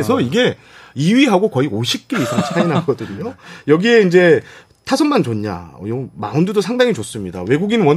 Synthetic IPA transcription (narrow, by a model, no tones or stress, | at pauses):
esʰʌiɡe̞ | iɥiɦaɡokʌioɕʰip̚k͈iɾisʰamt͡ɕʰainɦaɡʌdɯɲojʌɡie̞ind͡ʑe̞ | tʰasʰʌnmant͡ɕonɲa̰ʌ̰jomaɯndudosʰaŋdaŋit͡ɕos͈ɯmɲida̰we̞ɡuɡinɯnwʌn